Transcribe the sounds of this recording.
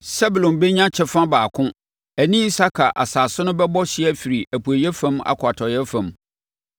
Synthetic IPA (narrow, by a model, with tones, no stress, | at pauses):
sɛ˦bu˨lɔ̃˨nbe˦ɲã˦t͡ɕʰɛ˦fã˦baː˨kʰʊ̃˦ | æ˨nĩ˦sa˦kʰa˨ʔa̰˨saː˨sʊ˦nʊ̃˦bɛ˦bɔ˦ɕɪ˦ɛ˦fi˨ɾi˨ʔæ˨pu˨æ˨jɛ˦fã˦ma̰˨kʰʊ˨a˨tʰɔ˨jɛ˦fã˨m